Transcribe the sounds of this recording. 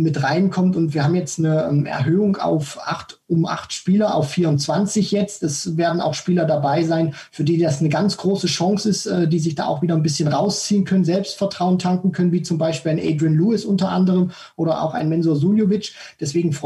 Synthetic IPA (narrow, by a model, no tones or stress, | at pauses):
mɪtʁaɪnkʰɔmtʊntviːɐhaːmjɛt͡stnəɛmʔɛ̰ɐɦøːʊŋa̰ʊfʔa̰χtʊmʔa̰χtʃpiːlɐʔa̰ʊfːiːɐʊnt͡sv̥ant͡sɪçjɛt͡stɛsveːɐdn̩a̰ʊxʃpiːlɐdabaɪzaɪn | fyːɐdiːdasnəɡant͡sɡ̥ʁoːsəʃɔŋsɪstɛːdiːzɪçd̥a̰ːʔa̰ʊxv̥iːdɐnbɪsçənʁaʊst͡siːənkʰœnənzɛlpstfɛɐtʁ̥aʊəntʰaŋkŋ̩kʰœnənviːt͡sʊmbaɪʃpiːlaɪnʔɛ̰ɪdʁinluːɪsʔʊntɐʔa̰ndəʁəm | ʔoːɾɐʔa̰ʊxa̰ɪnmɛnzoɐzuljovɪt͡ʃ | d̥ɛsv̥eːɡŋ̩fʁɔ